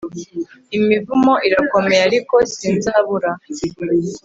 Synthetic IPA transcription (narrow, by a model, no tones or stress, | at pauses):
imivumo̞ʔiɾako̞mejaɾiko̞siːnzaːβuɾa